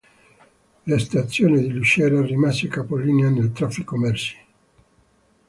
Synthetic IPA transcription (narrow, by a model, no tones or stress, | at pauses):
lest̪at̪sːjoːnid̪iluʃɛɾarimasekapoliːneanelt̪ɾafːikomɛrsi̥